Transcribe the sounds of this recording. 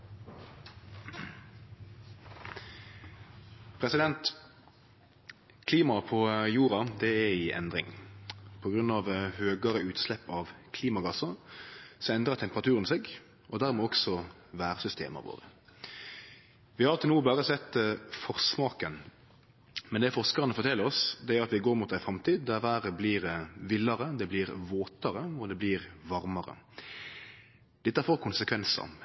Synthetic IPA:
pʰʁɛsɪd̪ɛnt̪ | kʰliːmɑpʰɔjuːʁɑd̪ɛɛɪʔɛ̰nd̪ʁɪ̰ŋpʰɔɡʁʉnːɑʋhøːɡəʁəʉːt̪slɛpːɑʋkʰliːmɑɡɑsɑ | sɔɛnd̪ʁəʁt̪ʰɛmpəʁɑt̪ʰʉːʁənseːɡ | ʔɔd̪æʁmɛːɔksɔ | ʋæːɾsʏst̪ḛːmə̰ɾʋo̰ːɾə̰ | ʋɪhɑɾɑlt̪ənuːbɑːɾəsɛt̪ːfɔʁsmɑːkən | mɛnd̪ɛfɔʁskɑʁənəfɔɾt̪ʰɛləɾɔsd̪ɛæɾɑt̪ʋɪɡoːɾmut̪æɪfɾɑmt̪ʰiːd̪d̪æʋæːɾəbliːɾʋɪlːɑɾəd̪ɛbliːɾʋoːt̪ɑɾəɔd̪ɛbliːɾʋɑɾmɑɾə̰ | d̪̥ɛt̪ːəhæɾfoːɾkʰʊnsəkʰʋɛnsə̰

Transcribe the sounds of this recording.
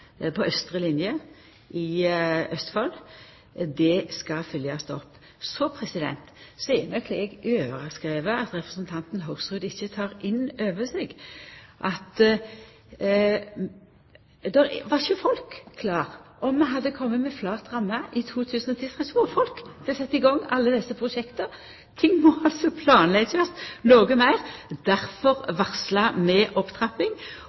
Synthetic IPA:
pʰɔœst̪ɾəlɪnjə | ʔɪʔœst̪fɔl | d̪ɛskɑfʏljɑst̪ɔpː | sɔpʰɾɛsɪd̪ɛ̰nt̪sɔɛmɑkʰlɛɡøːʋəɾɑskɾeːʋəɑt̪ɾɛpɾəsənt̪ʰɑnt̪nɦɑʊɡsʁʉːd̪ɪçːət̪ʰɑːɾɪnːøːʋəsɛɡʔɑt̪ | d̪ɛɾʋɑçəfɔlkʰːlɑːʁɔmːɛɦɑd̪ːəkʰɔmːət̪mɛflɑːt̪ʁɑmːɑʔɪt̪ʰuːt̪ʰʉːsənɔt̪ʰiːt̪ʰʁɛsʋofɔlkb̥̪ɛsɛt̪ːɪɡɔŋːɑlːəd̪ɛsːəpʰʁʊʃɛkt̪ɑ | t̪ʰɪŋːmɔɑlt̪sɔpʰlɑːnlɛɡsøsnoːɡəmæɪʁd̪æɾfɔʁʋɑʁslɑmɛʔɔpt̪ʰʁɑpɪŋ

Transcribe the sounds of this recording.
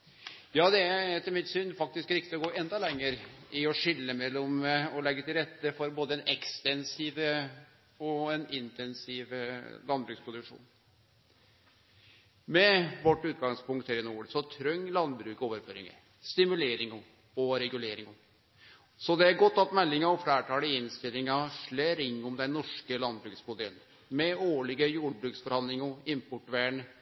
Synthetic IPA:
jɑːd̪ɛææɾt̪ʰɪlmɪt̪syːnfɑk̚t̪ɪskɾɪkt̪ɪɔɡoːʔɛnd̪ɑlɛŋːəɾɪɔʂɪlːəmɛlːɔmɔlɛɡːət̪ɪlɾɛt̪ːəfɔɾboːd̪əɛnɛkst̪ɛnsiʋə | ɔɛnɪnt̪ɛnsiʋlɑnbɾʉːkspʰɾʊd̪ʉkʂṵːn | mɛʋɔʈːʉːt̪̚ɡɑŋspʰʊŋkt̪ʰæɾɪnuːɭsɔt̪ʰɾœŋːlɑnbɾʉːkoːʋəɾføːɾɪ̰ŋə̰ | st̪ɪmʉleːɾɪŋ | ɔɾɛɡʉleːɾɪŋɔ | sɔd̪ɛæɾɡɔt̪ːɑt̪mɛlːɪŋəɔflæːʈʰɑːləɪnst̪ɪlːɪŋɑʂɭeːɾɪŋːʊmd̪ɛnnɔʂkəlɑnbɾʉːksmʊd̪eən | mɛoːɭɪɡəjuːɾbɾʉːksfɔɾhɑnd̪lɪŋɔɪmpʊʈʋæːɳ

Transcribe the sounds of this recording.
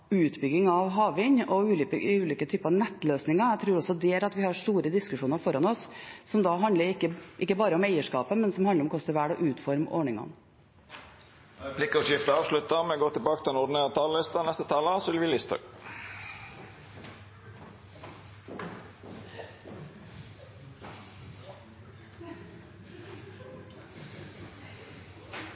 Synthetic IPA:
ʉːt̪bʏɡɪŋɑʋɦɑːʋɪɲɔʉːʉːliːkət̪ʰyːpəɾɑʋnɛt̪ːløːsnɪŋɑt̪ʰɾʉːɾɔsɔd̪ɛæɾɑt̪ʋɪhɑʂʈuːɾəd̪ɪskʉʂuːnəɾfɔɾɑnɔssɔmd̪ɑɦɑnd̪ləɾɪkːəʔɪkːəbɑːɾəɔmæɪəʂkɑ̰ːpəmɛnsɔmhɑnd̪ɾɔmkʰɔst̪əɾʋæːɽɔʔʉːt̪fɔɾmʔɔɳɪŋɑ̰n | pʰlɪkːɔʂɪft̪əɑːʋʂlʉt̪ɑmɛɡoːt̪ʰɪlbɑːkət̪ɪɛnɔɖɪneːɾɑt̪ʰɑːllɪst̪ɑnɛst̪ət̪ʰɑːləɑsʏlʋɪlɪst̪ʰɑ̰ɡ

